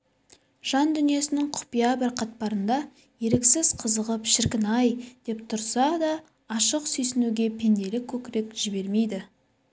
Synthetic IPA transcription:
ʒ̥ɑnd̪ʏnije̞sɪnɪŋqʰʊ̥pijɑbɪɾqʰɑt̪̚pɑɾənd̪ɑ | je̞ɾeksɪz̥qʰəzəʁəpʃɪɾkʲɪnɑjd̪̥e̞p̚t̪ʰʊɾsɑd̪ɑː | ʃəqsɵjsɪnuɡʲe̞pʰe̞nd̪e̞lɪkʲʰːɵkʲɪɾe̞kʒ̥ɪbe̞ɾme̞jd̪ɪ

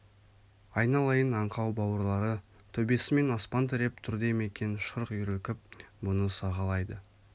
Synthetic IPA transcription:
ɑjnɑlˠɑjənɑɴqɑwbɑwəɾlˠɑɾə | t̪ʰɵbe̞sɪme̞nɑspɑnt̪̬ɪɾe̞p̚t̪ʰʏɾd̪e̞me̞kʲe̞nʃəɾqjɾekʲɪp̚mʊnəsɑʁɑlˠɑjd̪ə

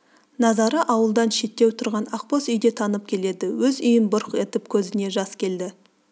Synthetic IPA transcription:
nɑzɑɾəʔɑwəlˠd̪ɑnʃe̞t̪ːe̞wt̪ʰʊɾʁɑnɑqpo̞sʏjd̪e̞t̪ʰɑnəp̚kʲʰe̞le̞d̪ɪwɵzʏjɪnbʊɾqet̪ɪp̚kʲʰɵzɪne̞ʒɑskʲʰe̞ld̪ɪ

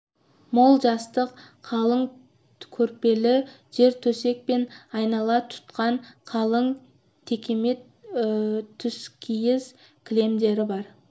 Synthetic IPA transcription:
mo̞lˠʒɑst̪əqqʰːɑlˠəŋ | kʲʰɵɾpe̞lɪ | ʒ̥e̞ɾt̪ʰɵse̞k̚pe̞nɑjnɑlˠɑt̪ʰʊ̥t̪qɑɴqʰɑlˠəɴ | t̪ʰe̞kʲe̞me̞t̪ | t̪ʰːʏskʲʰijɪz | kʲʰle̞md̪e̞ɾɪbɑɾ

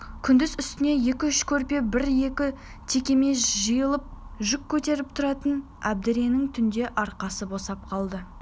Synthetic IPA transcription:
kʲʰʏnd̪ɪzʏst̪ɪne̞je̞kʲɪʏʃkʲʰɵɾpe̞bɪɾje̞kʲɪ | t̪ʰe̞kʲe̞me̞sʒəjəlˠəp̚ʒʏkʲʰːɵt̪e̞ɾɪp̚t̪ʰʊɾɑt̪ən | æb̚d̪ɪɾenɪŋt̪ʰʏnd̪e̞ʔɑɾqɑsəbo̞sɑp̚qʰɑlˠd̪ə

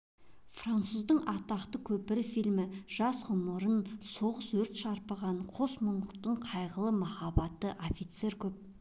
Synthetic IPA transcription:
frant̪suzd̪əɴɑt̪ɑqt̪əkʲʰɵpɪɾɪfijlmɪʒ̥ɑsʁʊməɾənso̞ʁəswɵɾt̪ʃɑɾpəʁɑnqʰosmʊɴəqt̪əɴqʰɑjʁəlˠəmɑχɑbɑt̪əʔofit̪se̞ɾkʲʰɵp̚

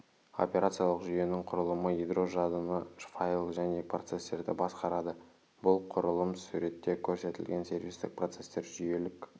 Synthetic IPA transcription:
o̞̰pʲe̞ɾat̪sijalˠəqʒʏje̞nɪŋqʰʊɾəlˠəməid̪ro̞ʒɑd̪ənəʃfajlˠʒæne̞prot̪se̞st̪e̞ɾd̪ɪ̰bɑsqɑɾɑd̪ə | bʊlˠqʰʊɾəlˠəmsuɾe̞t̪ːe̞kʲʰɵɾse̞t̪ɪlɡʲe̞nse̞rvʲist̪ɪk̚pro̞t̪se̞st̪e̞ɾʒʏje̞lɪk

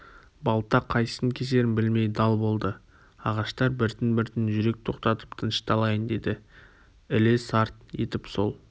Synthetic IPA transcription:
bɑlˠəp̚t̪ːɑqʰɑjə̥səŋkʲʰes̬e̞ɾɪnbɪlme̞jd̪ɑlˠbo̞lˠd̪ə | ɑʁɑʃt̪ɑɾbɪɾt̪ɪnbɪɾt̪ɪnʒʏɾe̞k̚t̪ʰo̞qt̪ɑt̪ə̥pt̪ʰənʃt̪ʰɑlˠɑjənd̪e̞d̪ɪ | ɪlesɑɾt̪je̞̰t̪ɪpso̞̰lˠ

